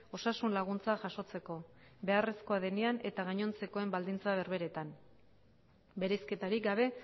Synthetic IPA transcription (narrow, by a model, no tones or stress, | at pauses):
o̞sasunlaɣ̞unt͡saʝaʃo̞t͡se̞ko̞be̞are̞sko̞aðeniane̞t̪aɣaɲo̞nt͡se̞ko̞e̞mbald̪int͡saβe̞ɾβe̞ɾe̞t̪am | be̞ɾe̞ske̞t̪aɾikɡaβe̞